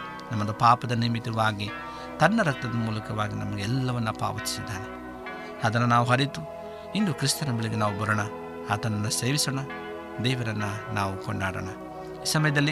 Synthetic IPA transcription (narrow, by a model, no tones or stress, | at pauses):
nɐmːɐd̪ɐpaːpɐd̪ɐnimit̪ɐʋaːɡi | t̪ɐnːɐɾɐk̚t̪ɐd̪ɐmuːlɐkɐʋaːɡinɐmɐɡeɛlːɐʋɐnːɐpa̰ːʋɐt̪i̥sid̪ːaːne | ɐd̪ɐnːɐnaːʋuɦɐɾit̪u | ind̪ukɾist̪ɐnɐbiɭiɡenaːʋubɐɾɐɳɐ | aːt̪ɐnːɐnːuseːʋisoɳɐ | d̪ɛːʋɐɾɐnːɐnaːʋukɔɳɖaːɽɐ̰ɳɐ | iːsɐmɐjɐd̪ɐlːi